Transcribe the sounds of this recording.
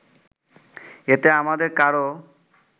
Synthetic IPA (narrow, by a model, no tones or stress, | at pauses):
et̪eamad̪eɾkaɾo